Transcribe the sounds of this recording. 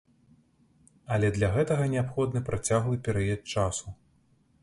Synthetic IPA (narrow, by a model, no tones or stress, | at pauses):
ɐlʲɛd̪lʲaɣɛt̪ɐɣɐnʲɛapxɔd̪nɨpɾat͡sʲaɣlˠɨpʲɛɾɐjɛt͡ʂasu